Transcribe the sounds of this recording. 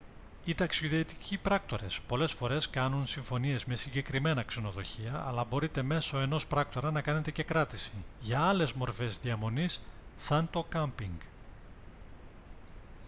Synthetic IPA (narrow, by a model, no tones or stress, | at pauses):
it̪ɐksioðet̪i̥cʰipɾɐk̚t̪o̞ɾe̞spo̞le̞sfo̞ɾe̞skɐnunsiɱfo̞nie̞zme̞siɲɟe̞kɾime̞nɐkse̞no̞ðo̞̰çiɐ̰ːlɐbo̞ɾit̪e̞me̞so̞e̞no̞spɾɐkt̪o̞ɾɐnɐkɐne̞t̪ece̞kɾɐt̪isiʝɐɐle̞zmo̞ɾfe̞zðiɐmo̞nisːɐnt̪o̞kɐmpiŋɡ